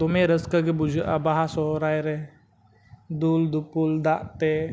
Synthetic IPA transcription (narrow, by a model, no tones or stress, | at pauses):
t̪omeɾəskəɡebud͡ʒəʔabaɦasɔɾajɾɛ | d̪uld̪upuld̪aʔt̪e